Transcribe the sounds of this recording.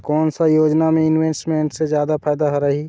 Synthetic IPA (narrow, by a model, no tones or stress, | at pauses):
kɔːnsajoːd͡ʒnamẽɪnweːsʈmeːɳʈsed͡ʒjaːd̪apʰaːjd̪aɦoɾəɦi